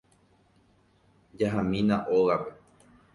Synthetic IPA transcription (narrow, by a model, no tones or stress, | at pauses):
d͡ʒaɦãmĩnãʔoɣape̞